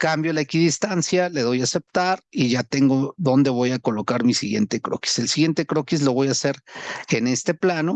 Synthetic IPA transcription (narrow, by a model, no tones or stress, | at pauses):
kambjo̞laekiðist̪ansjale̞ðo̞jase̞p̚t̪aɾiʝat̪e̞ŋɡo̞ðo̞nd̪e̞β̞o̞jako̞lo̞kaɾmisiɣje̞̰nt̪e̞kɾo̰ki̥selsiɣje̞nt̪ekɾo̞kis̬lo̞βo̞jase̞ɾene̞st̪e̞plano̞